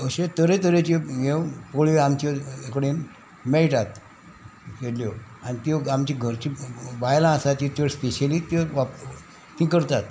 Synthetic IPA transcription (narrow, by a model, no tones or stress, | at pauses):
əɕet̪əɾẽt̪əɾet͡ɕejewpoɭeamt͡ɕeekɽen | mejʈat̪ | keɽljɔanit̪oamt͡ɕiɡʱəɾt͡ɕibajlãsat͡ɕit̪oɾspeɕelit̪eʋa | t̪ĩkəɾt̪at̪